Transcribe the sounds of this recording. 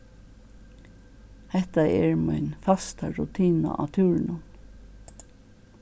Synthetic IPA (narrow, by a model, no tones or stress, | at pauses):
hɛht̪aɛɹmɔjnfast̪aɹut̪ʰiːna̰ʔa̰t̪ʰʉːɹnʊn